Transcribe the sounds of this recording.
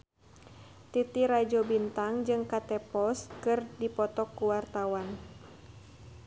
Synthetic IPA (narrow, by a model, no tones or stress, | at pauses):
t̪it̪iɾad͡ʒɔbint̪aŋd͡ʒɨŋkat̪ɛpɔskɨrdipɔt̪ɔkːuwart̪awan